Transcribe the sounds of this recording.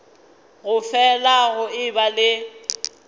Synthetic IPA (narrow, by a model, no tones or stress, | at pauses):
ɣʊfɛlaɣʊɪbalɪ